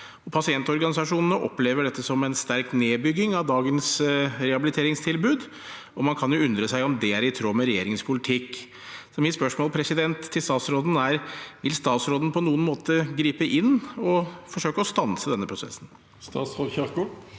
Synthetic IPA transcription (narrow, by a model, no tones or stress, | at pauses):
ɔpʰɑsɪɛnt̪ɔɾɡɑnɪsɑʂuːnənəʔɔ̰pleːʋəɖɛt̪ːəsɔmɛɪnst̪æɾkt̪neːbʏɡɪŋɑʋd̪ɑːɡənsɾɛhɑbɪlɪt̪ʰeːɾɪŋst̪ʰɪlbʉːd̪ | ɔmɑnkʰɑnjʊʉnd̪ɾəsæɪɔmd̪ɛæɾɪt̪ʰɾoːmɛɾɛjḛːɾɪŋəspʰʊlɪt̪ʰɪkː | sɔmɪspœʂmoːlpʰɾɛsɪd̪ɛnt̪ʰːɪlst̪ɑːt̪sɾoːd̪n̩æɾʋɪlst̪ɑːt̪sɾoːd̪ən̩əpʰɔnuːənmoːt̪əɡɾiːpəʔɪnːɔfɔʂøːkəɔst̪ɑnsəd̪ɛnːəpɾʊsɛ̰sn̩ | st̪ɑ̰ːt̪sʁod̪çɑkʊ